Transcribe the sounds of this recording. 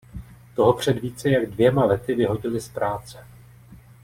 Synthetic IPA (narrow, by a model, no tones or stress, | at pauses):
t̪o̞ɦo̞pr̝̥ɛd̪viːt͡sɛjaɡdvjɛmalɛt̪ɪvɪɦo̞ɟɪlɪspɾaːt͡sɛ̥